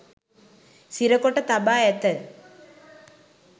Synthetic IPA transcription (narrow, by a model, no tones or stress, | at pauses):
siɾɐkːoʈːɐt̪ɐbaːet̪ːɐ